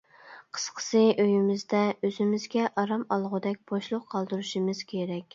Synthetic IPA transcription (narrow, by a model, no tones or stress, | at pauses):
qʰə̥sqʰə̥sɨʔøjimɪzd̪ɛøzɪmɪzɡʲɛʔɑɾɑmɑlˠʁʊd̪ɛk̚ʲb̥oʃlˠʊqqʰɑlˠd̪uɾuʃimɨz̥kʲʰeɾɛkʲ